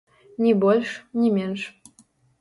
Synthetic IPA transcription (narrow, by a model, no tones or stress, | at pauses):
nʲibolʲʃnʲimʲenʃ